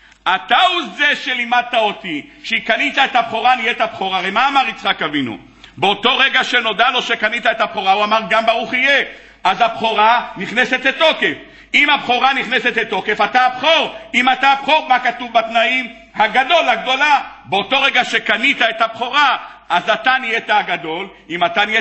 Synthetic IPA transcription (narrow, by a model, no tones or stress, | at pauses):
ʔat̪auze̞ʃelimad̪̚t̪aot̪iʃeikanit̪aet̪habχo̞ʁanijet̪abχoʁaʁejmaːmaʁit͡sχakavinṵ | beot̪o̞ʁeɡaʃeno̞dalo̞ʃekanit̪aet̪abχo̞ʁauamaʁɡambaʁuχije | azabχoʁaniχneset̪let̪o̞ke̞f | imabχo̞ʁaniχneset̪let̪ːo̞ke̞fat̪abχo̞ʁimat̪abχo̞ʁmakat̪uvbat̪naim | haɡado̞laɡdo̞la | beot̪o̞ʁeɡaʃe̞kanit̪aet̪abχo̞ʁaazat̪anijet̪aaɡad̪o̞l | imat̪anije